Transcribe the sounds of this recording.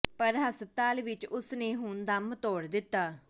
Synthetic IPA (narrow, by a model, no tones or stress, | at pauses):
pəɾɦəsəb̚t̪aːlʋɪt͡ʃʊsnẽːɦʊnd̪əmt̪ɔːɽd̪ɪt̪ːaː